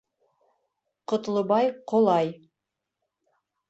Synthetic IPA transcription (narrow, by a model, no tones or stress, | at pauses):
qŏt̪lˠɤ̆bɑjqŏlˠɑj